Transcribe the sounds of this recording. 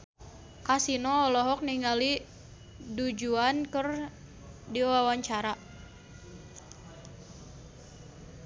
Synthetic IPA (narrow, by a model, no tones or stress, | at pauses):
kasinɔːlɔɦɔk̚niŋali | dud͡ʒuankər | diwawaɲt͡ʃaɾa